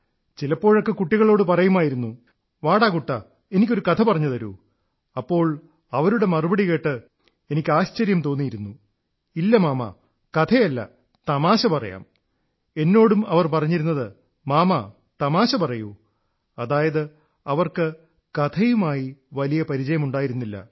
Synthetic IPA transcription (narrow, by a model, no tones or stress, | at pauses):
t͡ɕilɐpːo̞ːɻo̞kːe̞kuʈːiɣɐɭo̞ːɽɨpɐrɐjumaːjiɾunːu | ʋaːɽaːkuʈːɐ | e̞nikʲːo̞ɾukɐt̪ʰɐpɐrɐɲːutðɐɾṵ | ɐpːo̞ːɭ | ɐʋɐɾuɽe̞mɐrubɐɽike̞ːʈːɨ | e̞nikʲːɨaːɕt͡ɕɐɾjɐmt̪o̞ːnːijiɾunːu | ilːɐmaːmɐ̰ | kɐt̪ʰɐjɐlːɐ̰ | t̪ɐmaːɕɐpɐrɐja̰ːm | e̞nːo̞ːɽumɐʋɐrpɐrɐɲːiɾunːɐðɨ | maːmɐ | t̪ɐmaːɕɐpɐrɐju | ɐðaːjɐðɨ | ɐʋɐrkɨ | kɐt̪ʰɐjumaːjiʋɐlijɐpɐɾit͡ɕɐjɐmuɳɖaːjiɾunːilːɐ̰